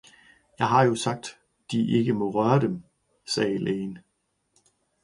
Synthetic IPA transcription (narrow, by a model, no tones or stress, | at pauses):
jɑ̈ɪɦɑ̈jo̝sɑ̈ɡ̥̚d̥ | d̥iʔe̝ɡ̥əmɒ̽ʁɶːɐd̥em | sɛːlʔeːn